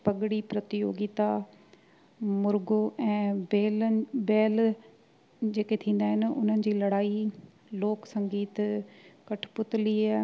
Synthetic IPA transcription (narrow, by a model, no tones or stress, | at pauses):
pɐɡɽipɾɐt̪ɪjo̰ːɡɪt̪a | mʊɾɡoɛ̃ːbeːlbɛːl | d͡ʑeːket̪ʰĩːn̆d̪aːɦɪnʊn̤ənɪ̆d͡ʑiːlɐɽaːi | loːksɐ̃ŋɡiːt̪kɐʈʰpʊt̪liɛː